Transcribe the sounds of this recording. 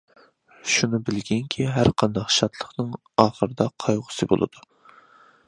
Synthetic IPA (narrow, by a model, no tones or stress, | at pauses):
ʃunɨbɪlɡʲɛŋkʲʰiɦæɾqʰɑnd̪ɑqʃɑt̪ʰlˠəχnɨŋ | ɑːχəɾɨd̪ɑqʰɑjʁʊ̥sɨbo̰lˠɨ̰d̪̥u